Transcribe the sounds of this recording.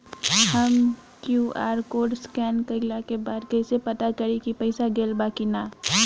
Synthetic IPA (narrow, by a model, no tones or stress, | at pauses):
hɐm | kjuːʔa̰ːɾkoːɖskɛːnkəɪlakebaːd̪kɐɪsepɐt̪akɐɾikipɐɪsaɡeːlbaːkinaː